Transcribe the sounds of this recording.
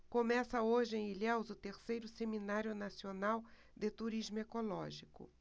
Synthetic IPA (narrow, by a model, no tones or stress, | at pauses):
komɛsɐoʒɪẽj̃ilɛwzʊt̪eɾsejɾʊseminaɾjʊnasionaw | d̪ɪt̪uɾizmʊekolɔʒikʊ̰